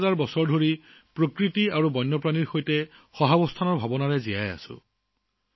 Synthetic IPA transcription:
zaɹbɔsɔɹdʱoɹi | pɹokɹitiaɹubɔjnːɔpɹaniɹxojtɛxɔɦabɔstʰanɔɹbʱabɔnaɹɛzijaja̰sʊ̰

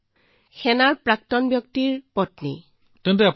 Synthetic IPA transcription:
xɛnaɹpɹak̚tɔnbjɔk̚tiɹpɔtnḭ | tɛntɛap

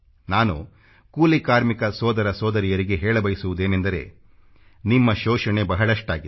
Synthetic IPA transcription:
naːnu | kuːlikaːɾmikɐsɔːd̪ɐɾɐsɔːd̪ɐɾijɐɾiɡe̞ɦɛːɭɐbɐjsuʋud̪e̞ːne̞nd̪ɐɾe̞̰ː | nimːɐʃɔːʃɐɳe̞bɐɦɐɭɐʂʈaːɡi

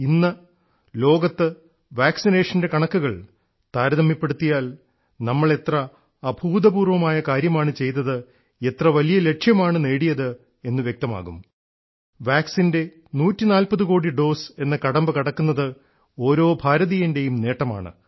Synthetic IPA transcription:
inːɐ | lo̞ːɡɐt̪ːɨ | ʋaːksineːʂɐnde̞kɐɳɐkːuɣɐɭ | t̪aːɾɐðɐmːipːe̞ɽut̪ːijaːl | nɐmːɐɭe̞t̪rɐː | bʱuːd̪ɐbuːrʋɐmaːjɐkaːɾjɐmaːɳɨt͡ɕe̞jt̪ɐðɨ | e̞t̪rɐʋɐlijɐle̞ʈʂjɐmaːɳɨne̞ːɽijɐðɨ | e̞nːɨʋjek̚t̪ɐma̰ːɣum | ʋaːksinde̞ | nuːtːinaːlpɐðuko̞ːɽiɖo̞ːse̞nːɐkɐɽɐmbɨkɐɽɐkːunːɐðɨ | o̞ːɾo̞ːbʱaːɾɐðijɐnde̞jumne̞ːʈːɐma̰ːɳɨ̰

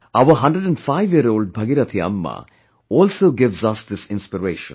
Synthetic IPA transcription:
aʋəɦɐ̃ɳɖɾəɖə̃nɖfaɪʋjiəɾoːlɖ̚bʱɐɡiɾɐt̪ʰiɐ̰mːa̰ | ɔːlsoːɡɪʋzɐsd̪ɪsɪ̃nspiɾeːʃə̰̃n

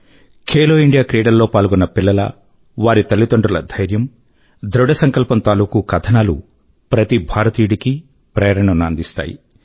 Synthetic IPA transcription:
kʰeːlo̞ːiɳɖijaːkɾeːɖɐlːo̞ːpaːlɡɔnːɐpilːɐlɐ̰ | ʋaːɾit̪ɐlːit̪ɐɳɖulɐd̪ʱɐjɾjɐm | d̪ɾɔɖɐsɐŋkɐlpɐnt̪aːluːkukɐd̪ʰɐnaːlṵ | pɾɐt̪ibʱaːɾɐt̪iːuɽiki | pɾɐjɐɾɐɳɐmɐːnd̪ist̪a̰ːjḭ

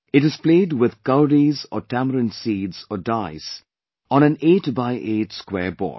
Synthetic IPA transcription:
ɪʈɨz̥pleːɖwɪd̪kaʊɾizɔʈæməɾə̃nsiːdzɔɖaɪs | ɔ̃ñæ̃neːʈbaɪʔeːtskwɛːbɔ̰ː

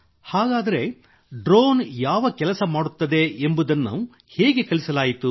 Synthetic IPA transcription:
haːɡaːd̪ɐɾe̞ | ɖɾoːnjaːʋɐkɛlɐsɐmaːɽut̪ːɐd̪e̞ʔːmbud̪ɐnːṵ | hɛːɡe̞kɐlisɐlaːjit̪u

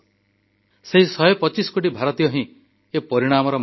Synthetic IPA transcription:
seɦisɔjɔpɔt͡ʃisɔ̥koʈ̬ibʱaɾɔt̪ijɔɦĩ | epɔɾiɽ̃amɔɾɔ

